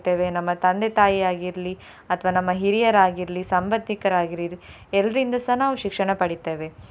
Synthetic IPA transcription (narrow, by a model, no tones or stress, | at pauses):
t̪ːe̞ːʋe̞nɐmːɐt̪ɐnd̪et̪aːjiaːɡiɾli | ɐt̪ʰɐʋaːnɐmːɐɦiɾijɐɾaːɡiɾlisɐmbɐd̪ːikɐɾaːɡiɾid̪ | ɛlːɐɾind̪ɐsɐnaːʋuʃikʂɐɳɐpɐɽit̪ːe̞ːʋe